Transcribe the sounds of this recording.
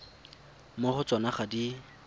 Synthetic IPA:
moχʊt͡sɔnaχadi

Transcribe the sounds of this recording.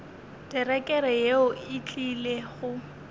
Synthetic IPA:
d̥ɛrɛkʼɛɾɛjeʊɪt͡ɬʼileɣʊ

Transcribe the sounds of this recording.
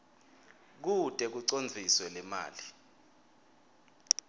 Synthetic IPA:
k̬utʼɛk̬uǀond͡zʱiswɛlɛma̰ːli

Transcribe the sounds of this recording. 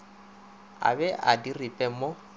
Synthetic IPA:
a̰bɛʔadiripʼɛmo

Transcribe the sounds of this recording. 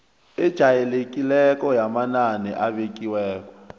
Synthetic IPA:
ɛd̥ʒ̥ʱajɛlekʼilɛkɔjamananḭʔaβek̬iwɛːkɔ̥

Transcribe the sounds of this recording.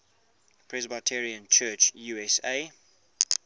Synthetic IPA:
pʰɹɛzbatʰɛɹiə̃nt͡ʃʰɜːt͡ʃjuːɛseː

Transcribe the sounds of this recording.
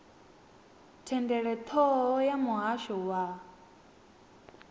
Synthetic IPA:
tʰɛndɛɾɛt̪ʰɔjamɔaʃowa

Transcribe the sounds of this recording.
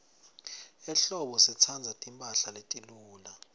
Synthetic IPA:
ɛɬɔɓɔsit͡sʰand͡zʱatʼimpʼaɬaletʼiluːla

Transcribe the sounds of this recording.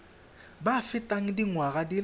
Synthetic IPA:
bafɪtʼaŋ̩diŋwaɣadil

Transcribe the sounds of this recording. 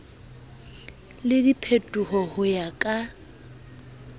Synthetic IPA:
lɪdipʰetʼuhɔhʊjakʼa

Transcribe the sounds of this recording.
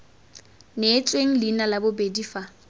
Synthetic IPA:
net͡sʼweŋ̩lɪnalabʊbediːfa

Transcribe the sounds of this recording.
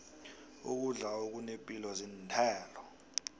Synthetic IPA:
ṵk̬uɮaok̬unepʼilɔzintʰɛːlɔ

